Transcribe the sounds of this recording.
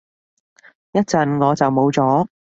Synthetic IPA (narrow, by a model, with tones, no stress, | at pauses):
jɐ˥t̚t͡sɐ˨nŋɔː˨˧t͡sɐ˨wmo˨˧˥wt͡sɔː˨˥